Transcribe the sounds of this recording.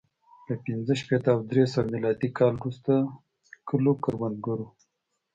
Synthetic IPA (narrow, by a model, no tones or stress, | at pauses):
ləpɪnzəʃpet̪aːwd̪ɾesəwmɪlɑd̪ikɑlɾust̪a | kəlokəɾwand̪ɡəɾu